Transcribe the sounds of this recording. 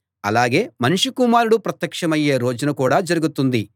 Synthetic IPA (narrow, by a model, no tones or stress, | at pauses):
ɐ̰laːɡe̞ːmɐnuʂukumaːɾuɽupɾɐt̪jɐkʂɐmɐjːe̞ːɾoːd͡ʒɐnɐkuːɽaːd͡ʒɐɾuɡut̪und̪i